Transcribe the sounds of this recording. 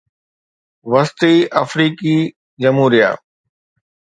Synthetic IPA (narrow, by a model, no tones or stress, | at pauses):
ʋɐst̪iːʔɐfɾiːkiː | d͡ʑɐmɦuːɾija̰ː